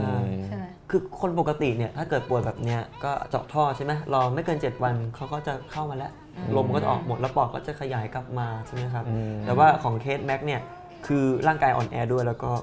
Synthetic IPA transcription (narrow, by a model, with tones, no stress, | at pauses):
ʔaː˧˩ | kʰɯː˧kʰo˧np̬o˨˩ka˧t̪i˨˩ni˥˩ɐt̪ʰaː˥˩kɤː˨˩t̪̚pu˨˩ət̪̚bɛː˨˩p̚ni˦˥ɐkɔː˥˩t͡ɕɔ̰ː˨˩k̚t̪ʰɔː˥˩t͡ɕʰa˥˩ma˦˥lɔː˧ma˥˩jkɤː˧nt͡ɕe˨˩t̪̚wa˧nkʰa˦˥wkɔː˥˩t͡ɕa˨˩kʰa˥˩wmaː˧lɛ˦˥ʔ | lo˧mkɔː˥˩t͡ɕa̰˨ʔɔː˨˩k̚mo˨˩t̪̚lɛ˦˥wpɔː˨˩kːɔ̰ː˥˩t͡ɕa˨˩kʰa˧jaː˩˦jka˧˦p̚maː˧t͡ɕʰa˥˩ma˦˥jkʰa˦˥p̚t̪ɛː˨˩waː˥˩kʰɔː˩˦ŋkʰeː˥˩t̪̚mɛ˦˥k̚ni˥˩ɐ | kʰɯː˧ɾaː˥˩ŋkaː˧jʔɔ̰ː˨˩nʔɛː˧du˥˩əjlɛː˦˥wkɔː˥˩